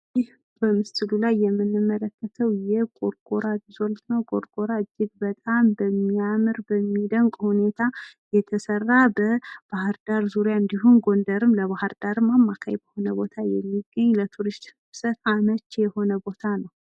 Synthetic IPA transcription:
jɪh | b̥əmɨst̪ʰɨlulajːɛmːɨnːɨmːələkːət̪ʰəwjɛhkʼo̞ɾkʼoɾad̪izo̞lt̪nəwkʼo̞̰ɾkʼo̞ɾaɨd͡ʒːɪɡ̚bət̪ʼambəmːiamɨɾbəmːid̪əŋkʼhune̞t̪ʰajɛt̪ʰəsərːabəb̥ahɨɾd̪̥aɾzuɾjaɨnd̪iɦunɡo̞nd̪əɾɨmləβahɨɾd̪aɾɨmːamːakʰa̰jbəho̞nəbo̞t̪ʰajɛmːiɡəɲːlət̪ʰuɾɨst̪hɨɨβsət̪amət͡ʃːjɛho̞nəbo̞t̪ʰanəw

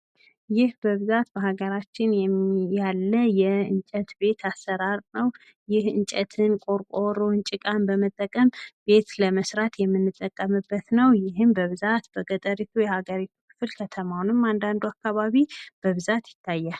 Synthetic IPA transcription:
jɪhbəβɨzat̪bəhaɡəɾat͡ʃːɪnjɛmjalːəjɛɨnt͡ʃʼət̪be̞t̪ʰasːəɾaɾnəw | jɪhɨnt͡ʃʼɛt̪ʰɨnkʼo̞ɾkʼoɾoɨnt͡ʃʼɪkʼanbəmət̪ʼːəkʼːəmbe̞t̪ləməsɾat̪jɛmːɨnːɨt̪ʼːəkʼːəmɨbːət̪nəwjɪɦɨmbəβɨzat̪b̥əɡət̪ʼəɾit̪ʰujɛhaɡəɾit̪ʰu̥kʰɨ̥flkʰət̪ʰəmawnɨmːand̪and̪uakːaβaβib̥əβɨzat̪jɪt̪ʰːajːal

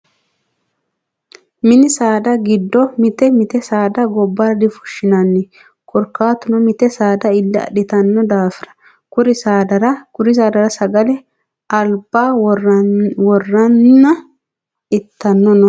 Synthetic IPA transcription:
mɪnɪsaːd̪ɐɡɪd̪ːɔmɪt̪ɛmɪt̪ɛsaːd̪ɐɡɔbːɐɾɐd̪ɪfʊ̥ʃːɪnɐnːɪ | kʰɔɾkːaːt̪ʊnɔmɪt̪ɛsaːd̪ɐɪlːɪɐ̰ɗɪt̪ɐnːɔd̪aːfɪɾɐ̥ | kʊɾɪsaːd̪ɐɾɐkʊɾɪs̬aːd̪ɐɾɐsɐɡɐlɛ | ʔɐlb̥ːaː | wɔrːɐnːɐ | ɪt̪ːɐnːɔnɔ

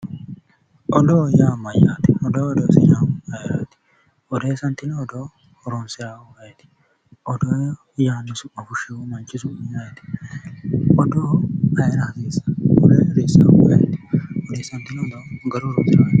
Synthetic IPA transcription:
ʔɔd̪oːjaːmɐjaːt̪ɪ̥ɔd̪oːɔd̪oːsɪjaːmɐjɛɾa̰ːt̪ɪ̥ | ʔɔd̪eːsɐnt̪ɪnɔd̪oː | ɾɔnsɪaːɐjɛt̪ɪ̥ | ʔɔd̪oː | jaːnɪsʊɐfʊʃeumɐnt͡ʃɪsʊmɐjaːjɛt̪ɪ̥ | ʔɔd̪oːɐjɛɾɐhɐd̪eːsɐ̥ɔd̪eːɐd̪eːsːaɐjɛ̰t̪ɪ̥ʔɔd̪eːsɐnt̪ɪnɔd̪oːɡɐɾuɾɔnsɪaː

